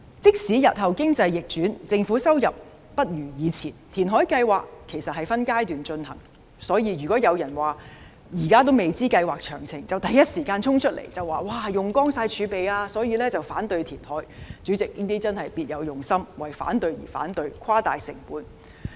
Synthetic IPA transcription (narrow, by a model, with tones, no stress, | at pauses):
t͡sɪ˥k̚siː˨˥jɐ˨t̚hɐ˨˩wkɪ˥ŋt͡sɐ˧jːɪ˨k̚t͡ʃyː˨˥nt͡sɪ˧ŋfuː˨˥sɐ˥wjɐ˨p̚ː | ɐ˥t̚jyː˨˩jiː˨˧t͡sʰiː˨˩nt̪ʰiː˨˩nɦɔː˨˥jkɐ˧jwaː˨kʰːe˨˩jsɐ˨t̚hɐ˨jfɐ˥nkaː˥jt̪yː˨nt͡ʃɵ˧nhɐ̰˨˩ŋ | sɔː˨˥jiː˧jyː˨˩kɔː˨˥jɐ˨˧wjɐ˨˩nwaː˨˩ | jiː˨˩kaː˥t̪̬o˥wme˨jt͡siː˥kɐ˧jwaː˨k̚t͡ʃʰœː˨˩ŋt͡sʰɪ˨˩ŋt͡sɐ˨wt̪ɐ˨jɐ˥t̚siː˨˩kaː˧nt͡sʰʊ˥ŋt͡ʃʰɵ˥t̚lḛ˨˩jt͡sɐ˨wːaː˨˩waː˧jʊ˨ŋkɔː˥ŋsaː˧jt͡ʃʰyː˨˧pe˨jaː˧sɔː˨˥jiː˧lɛː˥t͡sɐ˨wfaː˨˥nt̪ɵ˧ɥt̪ʰiː˨˩nhɔ̰ː˨˥jt͡ʃy˨˥t͡sɪ˨k̚niː˥t̪iː˥t͡sɐ˥nhɐ˨jpiː˧t̚jɐ˨˧wjʊ˨˩ŋsɐ˥mwɐ˨˩jfa̰ː˨˥nt̪ɵ˧ɥjḭ˨˩fa̰ː˨˥nt̪ɵ˧ɥkʷʰwaː˥t̪aː˨jsɪ̰˨˩ŋpuː˨˧n